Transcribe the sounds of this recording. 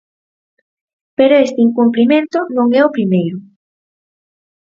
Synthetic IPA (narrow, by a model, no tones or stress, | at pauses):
peɾoest̪iŋkumplimẽnt̪ʊnõŋɛʊpɾimejɾʊ